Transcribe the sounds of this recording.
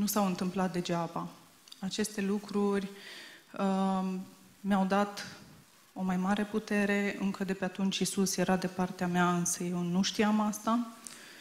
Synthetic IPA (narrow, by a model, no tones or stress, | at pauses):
nusawɨnt̪ɨmplat̪̚d̪e̞d͡ʒaba | at͡ʃe̞st̪e̞lukɾurʲ | meawd̪at̪ | o̞majmaɾe̞put̪e̞ɾe̞ɨŋkəd̪e̞pe̞at̪unt͡ʃʲisusje̞ɾad̪e̞part̪eameaɨnsəje̞wnuʃt̪iamast̪a